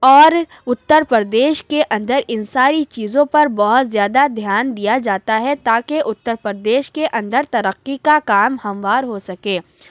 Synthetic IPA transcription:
ɔːɾ | ʊt̪ːəɾpɾəd̪eːʃkeʔɐ̃nd̪əɾɪnsaːɾit͡ʃiːzõpɐɾbɔɦʊt̪zjaːd̪ad̪ʱjaːnd̪ijad͡ʒaːt̪aɦɛt̪aːkeʔʊt̪ːəɾpəɾəd̪eːʃkeʔɐ̃nd̪əɾt̪ɐɾəqːikakaːmhɐ̃mʋaːɾɦosɐkeː

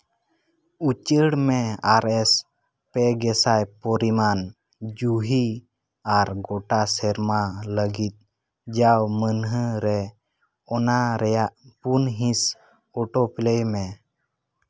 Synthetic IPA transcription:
ut͡ʃəɽmeaɾɛs | peɡɛsajpɔɾiman | d͡ʒuɦi | aɾɡɔʈasɛɾmaləɡit̪̚ | d͡ʒawmənɦəɾɛ | ɔnaɾɛjaʔpunɦĩs | ɔʈoplejmɛ

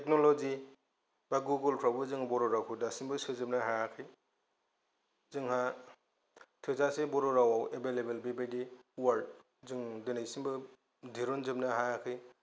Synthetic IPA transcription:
tʰek̚nolɔzi | b̥aɡuɡultʰɾawbɯzɯŋbɔɾɔɾawkʰɯdasinbɯsɯzɯp̚naɦaakʰɯj | zɯŋɦa | tʰɯzasebɔɾɔɾawawebelebelbibajdiwaɾd | zɯŋdɯnajsinbɯ | dʱiɾɔnzɯp̚naɦajakʰɯj

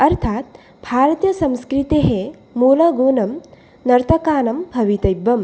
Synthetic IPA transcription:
ɐɾt̪ʰaːt̪̚ | bʱaːɾɐt̪jɐsɐ̃mskɾit̪iɦe | muːlɐɡoːnɐm | nɐɾt̪ʰɐkaːnɐmbʱɐʋit̪ɐjbːɐm

